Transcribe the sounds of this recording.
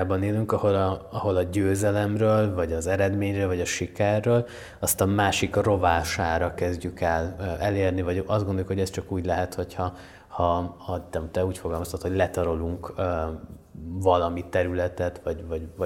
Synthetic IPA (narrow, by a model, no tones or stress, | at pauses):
aːbɒneːlyŋkɒho̞lɒɒɦo̞lɒɟøːzɛlɛmrøːlvɒɟɒzɛɾɛd̪meːɲrøːlvɒɟɒʃikɛrːøːl | ɒst̪ɒmaːʃikro̞vaːʃaːɾɒkɛzɟykɛlɛleːrnivɒɟɒzd̪ɡond̪ojukho̞ɟɛst͡ʃɒkuːɟlɛɦɛt̪ho̞chɒ | hɒhɒt̪ɛt̪ɛuːcfo̞ɡɒlmɒst̪ot̪hoɟlɛt̪ɒɾoluŋk | vɒlɒmit̪ɛɾylɛt̪ɛt̪vɒɟvɒvɒ